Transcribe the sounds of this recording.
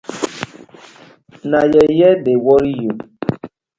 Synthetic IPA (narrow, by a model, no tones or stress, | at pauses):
najɛjɛdewɔɾijo